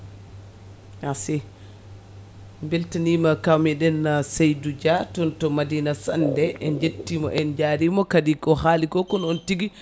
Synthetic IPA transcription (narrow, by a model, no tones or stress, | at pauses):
hasɛ | mbeltanimakawmiɗɛnːasajdud͡ʒatɔntɔmadiːnasandɛʔɛnd͡ʒetːimɔʔɛnd͡ʒaɾimɔkadikɔhaːlikɔkɔnɔntiɡi